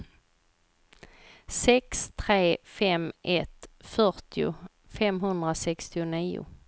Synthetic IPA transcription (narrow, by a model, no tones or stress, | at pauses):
sɛkst̪ʰɾeːfɛmʔɛt̪fœɾt̪ʰɪʊ̰ | fɛmɦɵnd̪ɾasɛkst̪ɪʊniːʊ̰